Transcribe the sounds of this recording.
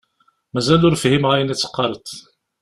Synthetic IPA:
mæzælʊɾfihimʕæjnæt͡sːə̥qːɑɾˤət̪

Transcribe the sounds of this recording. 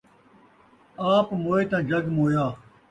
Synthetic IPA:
aːpmoːeːt̪ãːd͡ʒɐɡmoːjaː

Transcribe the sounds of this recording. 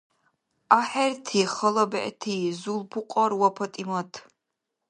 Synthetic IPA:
aħɛrtʰiːχɐlɐbɐʔtʰiːzulpʰuqʷʼɐrwɐpʰɐtʼimɐtʰ

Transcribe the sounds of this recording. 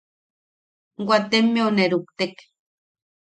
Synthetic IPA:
ɡwʷat̪emːeoneɾup̚t̪ek

